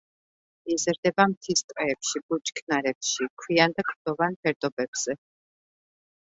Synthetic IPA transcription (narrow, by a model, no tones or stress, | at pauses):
izɾd̪ɛbamt̪ʰist̪ʼqʼɛːpʃibut͡ʃʰkʰnaɾɛpʃikʰwiand̪akʰʼɾd̪̥ɔvanpʰɛɾd̪ɔbɛb̥z̥ɛ